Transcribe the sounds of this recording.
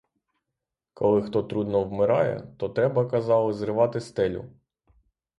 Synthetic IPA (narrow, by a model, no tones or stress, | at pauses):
kɔlˠɪxt̪ɔt̪ɾud̪nɔwmɪɾɑjɛ̰t̪ɔt̪ɾɛbɐkɐzɑlˠɪzɾɪʋɑt̪ɪst̪ɛlʲʊ̰